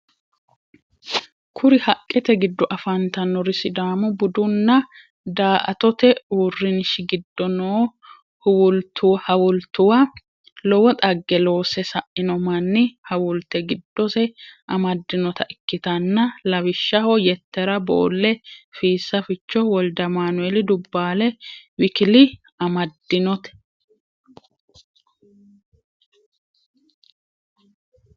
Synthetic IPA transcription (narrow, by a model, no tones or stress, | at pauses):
kʰʊɾɪhɐkʼːɛt̪ɛɡɪd̪ːɔʔɐfɐnt̪ɐnːɔɾɪsɪd̪aːmʊbʊd̪ʊnːɐ | d̪aːʔɐ̰t̪ɔt̪ɛuːrːɪnɪʃɪɡɪd̪ːɔnoː | hʊwʊlt̪ʊwhɐwʊlt̪ʊwɐ | lɔwɔt̪ʼɐɡːɛloːsɛsɐʔɪnɔmɐnːɪhɐwʊlt̪ɛɡɪd̪ːɔsɛʔɐmɐd̪ːɪnɔt̪ʰɐʔɪkːɪt̪ɐnːɐlɐwɪʃːɐhɔjɛt̪ːɛɾɐbo̰ːlːɛfiːsːɐfɪt͡ʃːɔwɔld̪ɐmaːnʊɛlɪd̪ʊbːaːlɛwɪkɪlɪ | ɐmɐd̪ːɪnɔt̪ɛ̥